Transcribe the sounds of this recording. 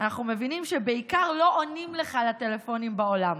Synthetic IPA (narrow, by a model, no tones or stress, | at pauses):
anaχnume̞vinimʃebeikaʁlo̞ʔonimle̞χalat̪elefo̞nimbao̞lam